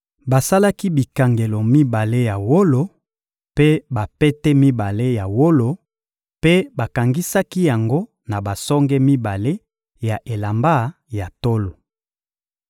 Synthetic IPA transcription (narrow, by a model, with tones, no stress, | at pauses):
ba˨sa˦la˦ki˦bi˨ka˨ŋɡe˨lo˨mi˦ba˨le˦ja˨wo˦lo˨ | pe˦ba˨pɛ˦tɛ˦mi˦ba˨le˦ja˨wo˦lo˨ | pe˦ba˨ka˨ŋɡi˦sa˦ki˦ja˨ŋɡo˦ | na˨ba˨sɔ˦ŋɡɛ˦mi˦ba˨le˦ | ja˨ʔe˨la˨mba˦ | ja˨to˦lo˨